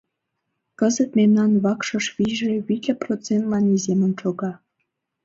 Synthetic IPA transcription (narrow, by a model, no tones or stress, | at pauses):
kəzət̪memnɑnβɑkʃɤ̆ʃβiʒeβitʲeprot͡sent̪lɑnizemə̆nʃoɣɑ